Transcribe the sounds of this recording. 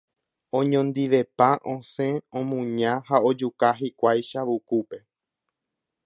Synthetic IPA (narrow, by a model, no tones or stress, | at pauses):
õɲõnd̪iʋe̞pãʔõsẽõmũɲãhao̞d͡ʒukaɦikʷajʃaʋukupe̞